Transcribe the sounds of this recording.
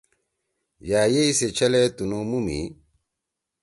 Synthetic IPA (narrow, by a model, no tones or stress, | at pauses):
jaːjeiset͡ʃʰɐlɛt̪unomumḭ